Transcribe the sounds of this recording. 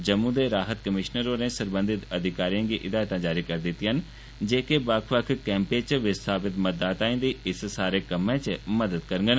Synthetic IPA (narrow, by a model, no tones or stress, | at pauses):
d͡ʒəmːũːd̪eːɾaːɦət̪kəmɪʃnəɾoːɾẽːsəɾbə̃nd̪ɪt̪əd̪ʱɪkaːɾijãːɡiːʔɪd̪aːjt̪ãːd͡ʒaːɾiːkəɾd̪ɪt̪iɦən | d͡ʒeːkebəkʰʋəkʰkɛ̃ːmpẽːt͡ʃʋɪst̪ʰaːpɪt̪məd̪aːt̪aːĩːd̪iːɪssaːɾeːkəmẽːt͡ʃəməd̪əd̪kəɾəŋɡən